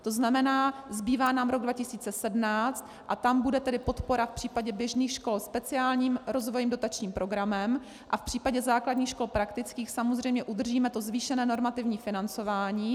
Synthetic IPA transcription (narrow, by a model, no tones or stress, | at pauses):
t̪o̞znamɛnaːzbiːvaːnaːmɾo̞ɡ̚dvacɪsiːt͡sɛsɛdmnaːt͡st̪ | ʔat̪ambudɛt̪ɛdɪpot̪po̞ɾafpr̥iːpaɟɛbjɛʒniːxʃko̞lspɛt͡sɪaːlɲiːmɾo̞zvo̞jiːmdo̞t̪at͡ʃɲiːmpɾoɡɾamɛm | ʔafpr̥iːpaɟɛzaːkladɲiːxʃko̞lpɾakt̪ɪt͡skiːxsamozr̝ɛjmɲɛʔud̪r̩ʒiːmɛt̪o̞zviːʃɛnɛːno̞ɾmat̪ɪvɲiːfɪnant͡so̞vaːɲiː